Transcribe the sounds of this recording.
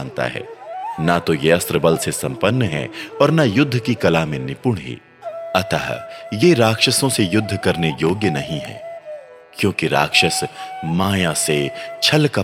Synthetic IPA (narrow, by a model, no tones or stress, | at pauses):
nt̪a̰ɦɛ̰ːnat̪ojeɐst̪ɾəbɐlsesɐ̃mpənːəɦɛ̰ɔːɾnajʊd̪ʱːəkikɐlaːmẽnɪpʊɳ̃ɦḭː | ɐt̪a̰ɦjeɾaːkʃəsõsejʊd̪ʱːkɐɾnejoːɡjənɐɦĩɦɛ̰ː | kjõːkiɾa̰ːkʃəsmaːjaset͡ʃʰɐlka